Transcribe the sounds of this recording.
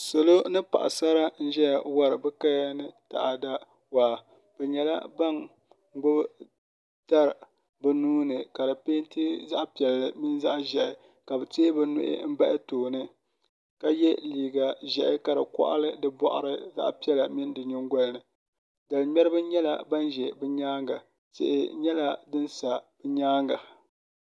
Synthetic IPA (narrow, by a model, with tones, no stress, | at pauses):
so˨lo˦nɨ˦pa̰˨ʔa̰˨sa˦ɾa˦n̩˦ʒɛ˦ja˨wa˦ɾɨ˨bɨ˦ka˦jnɨ˦ta̰˨ʔa˨da˦ | wa˨ | bɛ˨ɲɛ˨la̰˦ba˦ŋ˦ | ɡ͡bʊ˦b | ta˦ɾ | bɨ˨nuː˦nɨ˨ka˨dɨ˨peː˦n˦ti˦za˦ʔpi˨ɛ˨llɨ˨mi˦nza˦ʔʒɛ˨ʔɪ˨ | ka˨bɨ˨teː˦bɛ˦nʊ̰˦ʔɪ̰˦m̩˦ba˦ʔɪ˦toː˨nɨ˦ | ka˦jɛ˦liː˨ɡa˨ʒɛ˨ʔɪ˦ka˨dɨ˨kɔ̰˦ʔa̰˦lɨ˦dɨ˦bɔ̰˦ʔa̰˨ɾɨ˦za̰˦ʔpi˦ɛ˦la˨mi˦n˦dɨ˨ɲʊ˦ŋɡʷɔ˦lnɨ˨ | da˨lmʲɛ˦ɾɨ˦bɨ˦ɲɛ˦la̰˨ba˦nʒɛ˨bɨ˦ɲaː˦ŋɡa˨ | sḛ˨ʔɪ̰˨ɲɛ˦la˦dɨ˦nsa˨b̥ɛ˦ɲaː˦ŋɡa˨